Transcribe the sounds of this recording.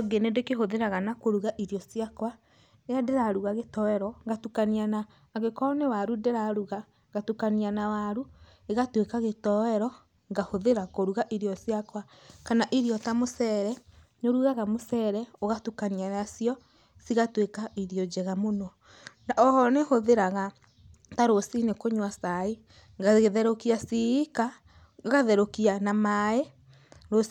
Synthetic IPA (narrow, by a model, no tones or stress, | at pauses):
ɔɡenedekeɦoðeɾaɣanakoɾuɣaʔiɾjɔsiakwa | ejadeɾaɾuɣaɣetɔɛɾɔŋɡatukanianaː | ɣekɔnewaɾudeɾaɾuɣa | ɣatukanianawaɾu | eɣatwekaɣetɔɛɾɔ | ŋɡahoðeɾakoɾuɣaʔiɾjɔsjakwa | kanaʔiɾiɔtamosɛɾɛ | noɾuɣaɣamosɛɾɛoɣatukanianasiɔ | siɣatwekaʔiɾiɔd͡ʒɛɣamonɔ | aɔhɔnehoðeɾaɣa | taɾosinekoɲwasai | ɡaɣðɛɾokiasiika | ɣaðɛɾokianamaɛ | ɾo